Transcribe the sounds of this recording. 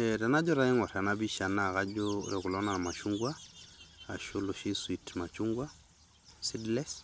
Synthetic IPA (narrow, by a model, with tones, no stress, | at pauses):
ɛɾa˨na˦d͡ʒɔ˦ɾa˨i˦ŋɔ˨ɾa˨na˦bi˦ʃa˨na˦˨ɣa˦d͡ʒɔ̰˦ɾɛ˨ku˨lɔ˦na˨ma˨ʃu˦ŋɡwa˦ | a˨ʃu˦lʊ˨ʃi˦swi˨tma˨t͡ʃu˦ŋɡwa˦ | si˦dlɛ˦s